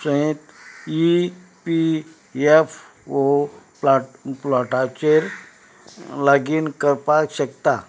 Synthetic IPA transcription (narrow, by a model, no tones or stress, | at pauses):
sə̃ɦit̪ipi | ef | opplɔʈat͡ɕeɾ | laɡiːnkəɾpakɕəkt̪a